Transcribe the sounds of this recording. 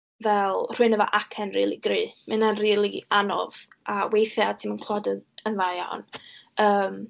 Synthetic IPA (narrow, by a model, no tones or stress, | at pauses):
vɛlˠr̥uɨnəvɔ̰ʔakʰɛnriːlˠiɡriːmʔɨnanriːlˠianɔ̰v̥ | awejθjaatʰimənkʰl̥ˠɔdəənvaja̰wnəːm